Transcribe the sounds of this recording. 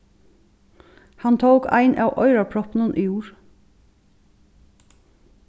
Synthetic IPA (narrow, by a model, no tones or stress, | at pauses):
hɑnt̪ʰoʊkæ̰ɪnʔɑːʋʔœ̰ʏɹɑpʰɽɔpn̩ənʔiːjuːɹ